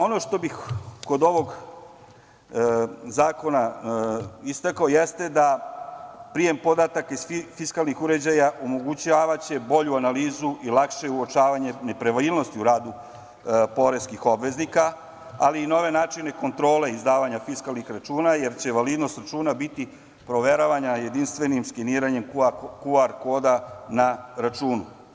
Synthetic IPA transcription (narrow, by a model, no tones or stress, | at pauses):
o̞no̞ʃt̪o̞bixko̞d̪o̞ʋo̞ɡ | zaːko̞na | ist̪akaojest̪e̞d̪a | pɾije̞mpo̞d̪at̪akaizfiskalˠnixuɾe̞d͡ʑajaʔomo̞ɡut͡ɕaːʋat͡ɕe̞bo̞ʎuanaliːzuʔilˠakʃe̞uot͡ʃaːʋaɲe̞ne̞pɾeʋaliːlno̞st̪iuɾaːd̪u | po̞ɾe̞skixo̞bʋe̞znika | a̰liːno̞ʋe̞naːt͡ʃine̞ko̞nt̪ɾo̞ːle̞izd̪aːʋaɲafiskalˠnixɾat͡ʃuːnaje̞ɾt͡ɕe̞ʋaliːd̪no̞st̪ɾat͡ʃuːnabit̪i | pɾo̞ʋeɾoʋaɲaje̞d̪inst̪ʋe̞nimskiniːɾaɲe̞mkkuaɾko̞ːd̪anaɾat͡ʃuːnu